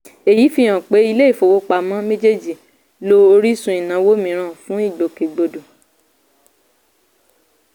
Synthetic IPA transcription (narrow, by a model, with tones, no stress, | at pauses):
e˨ji˨˦fi˦j̃ã˨k͡pe˨˦i˧le˦i˦˨fo˨wo˨˧k͡pa˨mã˨˦mẽ˦d͡ʒe˦d͡ʒi˨ | lo˦o˧ɾi˦sũ˧i˨nã˨˦wo˦mĩ˨˦ɾ̃ã˦˨fũ˨˦i˦˨ɡ͡bo˨ke˨ɡ͡bo˧du˨